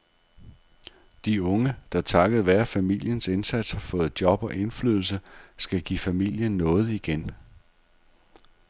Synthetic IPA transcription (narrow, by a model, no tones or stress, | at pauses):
d̥iɔ̽ŋəd̥ɑ̈t͡sʰɑ̈ɡ̥əð̩ˠʋæɐfæmil̰jənse̝nsæd̥shɑ̈fɔ̽ːð̩̥ˠjɒ̽b̥ɒ̽ʔe̝nfly̰ð̞ˠl̩s̬əsɡ̥æɡ̥ifæmil̰jənːɔ̽ːð̞̩ˠiɡ̥en